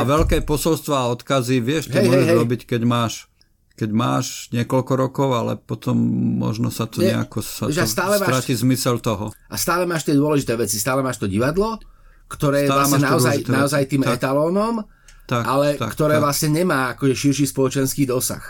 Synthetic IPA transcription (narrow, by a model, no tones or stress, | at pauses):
aʋɛlkɛpɔsɔlst̪ʋaːɔt̪kaziʋɪɛʃɦɛɛʒɛɾɔbickɛɟmaːʃ | kɛɟma̰ːʃɲɪɛkɔlkɔɾɔkɔʊalɛ̰pɔt̪ɔmːɔ̰ʒnɔsat̪ɔɲɲɛa̰kɔsaɛʒast̪aːlɛmaɾatizmisɛlt̪ɔɦɔʔast̪aːlɛmaːʃt̪ɪɛd̪ʊɔlɛʒit̪ɛːʋɛt͡sist̪aːlɛmaːʃt̪ɔɟiʋad̪lɔ | kt̪ɔɾɛːɛaaanaɔajt̪naɔzajt̪iːmɛt̪alɔːnɔm | t̪akʔalɛt̪a̰kt̪ɔɾɛːʋlasɲɛɲɛmaːakɔʒɛʃiɾʃiːspɔlɔt͡ʃɛnskiːd̪ɔsa̰x